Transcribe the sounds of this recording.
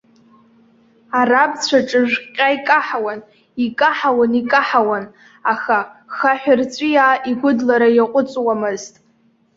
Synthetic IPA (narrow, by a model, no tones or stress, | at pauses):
arabt͡sʷʰaʈ͡ʂʼɨʒᶣqʲʼaikʼaħawan | ikʼaħawanikʼaħawan | axaxaħʷᶣʊrt͡sʷʼijaːʔiɡʷʊdlaɾajaqʷʼʊt͡sʼwamɨztʼ